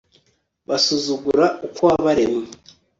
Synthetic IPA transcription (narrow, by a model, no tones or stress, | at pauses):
βasuzuɡuɾaukwaβaɾeme